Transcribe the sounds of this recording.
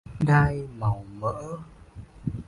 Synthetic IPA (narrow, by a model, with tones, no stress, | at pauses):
ɗaː˧jma˨˩wmə̰ː˧˥